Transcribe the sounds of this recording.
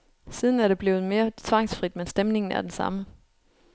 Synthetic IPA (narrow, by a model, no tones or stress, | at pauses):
siːð̞ˠn̩æɐɾe̝b̥le̝ːʊð̞̩ˠme̝ːɐt͡sʰʋɑ̈ŋ̰sfʁid̥mensd̥emne̝ŋn̩æ̰ɐd̥esɑ̰̈mə